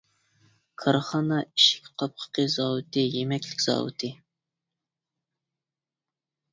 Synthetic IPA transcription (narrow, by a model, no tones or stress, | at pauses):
kʰɑɾχɑːnɑiʃɪ̥kʲqʰɑp̚qʰə̥qəzɑːwɨt̪ʰɨjemɛkʲlɪkʲz̥ɑ̰ːwɨ̰t̪ʰɨ